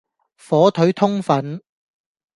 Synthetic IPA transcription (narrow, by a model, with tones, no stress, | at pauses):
fɔː˨˥t̪ʰɵ˨˥ɥt̪ʰʊ˥ŋfɐ˨˥n